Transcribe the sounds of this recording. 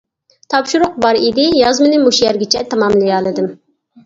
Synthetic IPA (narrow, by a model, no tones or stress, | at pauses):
t̪ʰɑpʃuɾʊq̚bɑɾid̪ɪjɑzmɨnɨmuʃjæɾɡʲit͡ʃʰɛt̪ʰɑmɑmlˠɨjɑlˠɨd̪ɨm